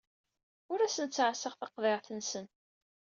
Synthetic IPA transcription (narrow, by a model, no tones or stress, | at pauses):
ʊɾæsənt͡sːʕsəʁθɑqðeʁθənsən